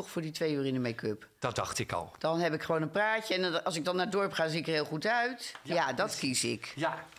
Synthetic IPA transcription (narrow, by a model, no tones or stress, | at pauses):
ɔχfʊːɹditʋejyːrɪndəmɛjkøp | d̥ɑtd̥ɑ̰χtɪkɑ̰lˠd̥ɑnɦɛpɪkχʋownənpraːcəɛnɑlˠsɪɡ̚dɑnːaːdɔɹpχaːziɪkəɦɪːlˠχutœɥtjadɑtkisɪ̰k